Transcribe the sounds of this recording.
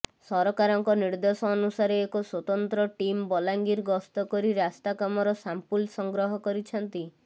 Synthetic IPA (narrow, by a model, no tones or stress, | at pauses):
sɔɾɔkaɾɔŋkɔniɾd̪ɔsɔːnusaɾeːkɔswɔt̪ɔnt̪ɾɔʈimbɔlaŋɡiɾɡɔst̪ɔkɔɾiɾast̪akamɔɾɔsampulsɔŋɡɾɔɦɔkɔɾit͡ʃʰɔnt̪i